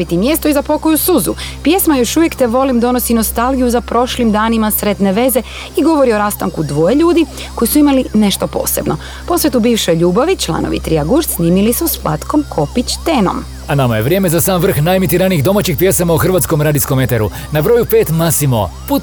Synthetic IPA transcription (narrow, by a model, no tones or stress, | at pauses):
bit̪imjest̪oizapo̞ko̞jusuzṵpje̞smajo̞ʃuʋje̞kt̪e̞ʋo̞limd̪o̞no̞sino̞st̪alˠɡijuzapɾo̞ʃlimd̪aːnimasɾed̪ne̞ʋe̞ze | iɡo̞ʋo̞ɾio̞ɾaːst̪a̰ŋkud̪ʋo̞je̞ʎuːd̪i | ko̞isuimaline̞ʃt̪opo̞̰ːse̞bno̞ | po̞sʋet̪ubiːʋʃo̞jʎuːbaʋit͡ʃlˠa̰noʋḭt̪ɾijaɡuɾsniːmilisusplˠa̰t̪ko̞mkʰo̞pit͡ɕt̪eno̞̰m | anamajḛʋɾjemezasaːmʋr̩xnajemit̪iɾaniiɣd̪o̞mat͡ʃixpjesamauxr̩ʋaːt̪sko̞mɾaːd̪iskomet̪eɾu | nabɾo̞jupe̞ːt̪masimo̰pu